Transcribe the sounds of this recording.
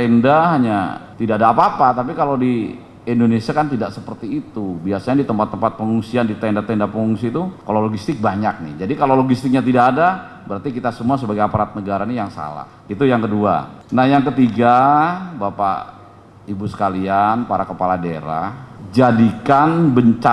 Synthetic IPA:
ɛndaɦaɲa̰t̪idaʔdaːpaːpat̪ap̬ikalawdi | indonesiakant̪idaʔsəpərt̪iːt̪ubiasaɲadit̪əmpat̪ːəmpat̪̚pəŋuŋsiandit̪ɛndat̪ɛndapəŋuŋsit̪ukaloloɡist̪ɪk̚baɲak̚nɪ̰hd͡ʒadikalowloɡist̪ɪk̚ɲat̪idaʔːda | bəɾart̪ikit̪asəmuasəbaɡajapaɾat̪̚nəɡaɾanijaŋsa̰la̰h | it̪ujaŋkədua̰nahjaŋkət̪iɡabapa̰ | ibusə̥kalianpaɾakəpaladeɾa̰d͡ʒadikanbəɲt͡ʃa

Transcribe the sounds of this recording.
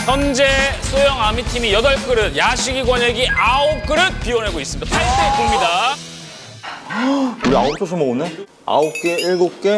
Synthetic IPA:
sʰʌnd͡ʑe̞sʰojʌŋamitʰimijʌdʌɭk͈ɯɾɯd̚jaɕʰiɡiɡwʌɲeɡiʔaok͈ɯɾɯd̚p͈iwʌnɦeɡois͈ɯmid̥̪apʰaɭs͈ekuŋɲida | uɾia̰ok̚t͈os̬ʰɯmoune | a̰ok͈eiɭɡok͈e̞

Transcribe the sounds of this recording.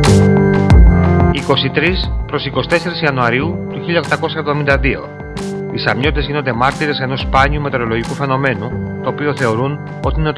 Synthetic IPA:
iko̞sit̪ɾispɾo̞siko̞si̥t̪e̞se̞ɾisiɐnuɐɾiut̪uçiʎɐxt̪ɐko̞sɐevðo̞mind̪ɐðio̞̰ | isɐmɲo̞t̪it̪e̞zʝinot̪emɐɾt̪iɾe̞se̞no̞spɐɲiume̞t̪e̞ɾo̞lo̞ʝikufe̞no̞me̞nut̪oopioθe̞oɾun | o̞t̪iine

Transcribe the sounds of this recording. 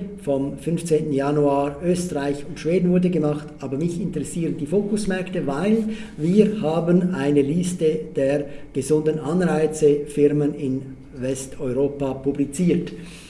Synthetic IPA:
fɔmfʏnft͡seːntn̩januaːøːstəʁaɪçʊntʃv̥eːdn̩vʊɾdəɡəmɑχtʔaːbɐmɪçɪntəʁɛsiːʁəndiːfoːkʊsmɛɐktəvaɪl | viːɾhaːbənaɪnəlistəd̥eːʁɡ̥əzʊndən̩ɑnʁaɪt͡səfɪʁmənɪn | vɛstɔʏʁoːpapublit͡siːt

